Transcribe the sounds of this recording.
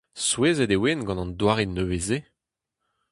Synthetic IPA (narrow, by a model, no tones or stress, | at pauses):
sweːzɛd̪ewenɡɑ̃nɑ̃nd̪waːʁenːøveze